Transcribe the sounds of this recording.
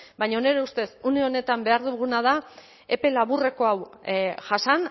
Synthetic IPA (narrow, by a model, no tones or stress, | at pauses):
bajɲaone̞ɾeust̪e̞suneo̞ne̞t̪ambe̞aɾðuɣunað̞a | e̞pe̞laβure̞ko̞awʝasan